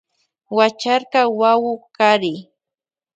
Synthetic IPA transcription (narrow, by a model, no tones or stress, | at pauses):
wat͡ʃaɾkawawʊkaɾɪ